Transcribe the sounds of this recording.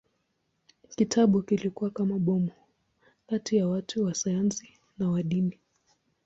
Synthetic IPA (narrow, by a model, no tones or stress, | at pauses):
kitʰaɓukilikuwakamaɓɔmu | katijawatʰuwasajansi | nawaɗini